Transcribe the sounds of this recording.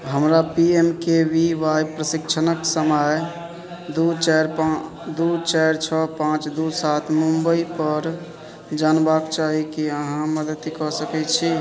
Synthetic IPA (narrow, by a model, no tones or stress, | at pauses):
ɦəmɾapiemkebiʋajpɾəsikt͡ʃʰənəksəməj | d̪ut͡ʃaɾa | d̪ut͡ʃajɾt͡ʃʰɔpãt͡ʃd̪usat̪ʰmumbəipəɾ | d͡ʒanbakt͡ʃaɦikiəɦãməd̪ət̪ikɔsəkɛt͡ʃʰi